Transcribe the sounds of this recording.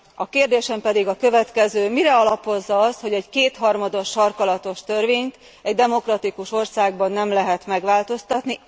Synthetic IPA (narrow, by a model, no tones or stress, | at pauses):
ɒkeːrd̪eːʃɛmpɛd̪iɡɒkø̞vɛt̪kɛzøːmiɾɛɒlɒpo̞zːɒɒst̪ho̞ɟɛɟkeːt̪hɒrmɒd̪o̞ʃːɒrkɒlɒt̪o̞ʃt̪ø̞rveːɲt̪ | ɛɟd̪ɛmo̞krɒt̪ikuʃo̞rsaːɡ̚bɒnːɛmlɛɦɛt̪mɛɡʋaːlt̪o̞st̪ɒt̪ni